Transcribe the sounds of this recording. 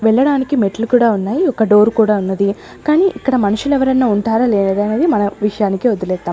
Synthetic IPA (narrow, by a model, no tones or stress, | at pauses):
ʋɛɭːɐɽaːnikimeʈɐlukuːɽaːunːaːjiɔkɐɖo̞ːɾukuːɽaːunːɐd̪i | kaːniːʔikːɐɽɐmɐnuʂulɛʋɐɾɐnːaːuɳʈaːɾaːleːnɐɾiɐneːd̪imɐnɐʋiʂɐjaːnikiod̪ulɛːt̪ːaːm